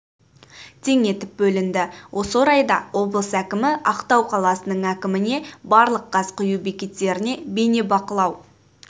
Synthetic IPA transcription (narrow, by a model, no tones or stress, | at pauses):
t̪ʰe̞ŋe̞t̪ɪp̚bɵlɪnd̪ɪwʔo̞səɾɑjd̪ɑwo̞blˠəsækʲɪmɪʔɑqt̪ɑwqʰɑlˠɑsənəɴækʲɪmɪne̞bɑɾlˠəqːɑzqʰʊjubekʲe̞t̪ːe̞ɾɪne̞be̞ne̞bɑqəlˠɑw